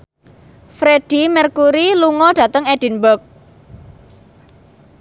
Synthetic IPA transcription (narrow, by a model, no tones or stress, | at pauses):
fɾeɖ̥i̤mɛrkuɾiluŋɔɖ̥ä̤t̪əŋɛɖ̥i̤nbərk̚